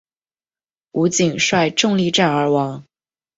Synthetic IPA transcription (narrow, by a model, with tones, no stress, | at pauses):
u˧˥t͡ɕi˨˩ŋʂwa˥˧ɪʈ͡ʂɤ˥˧ŋli˥˧ʈ͡ʂa˥˩nə˞˧˥wɑ˧˥ŋ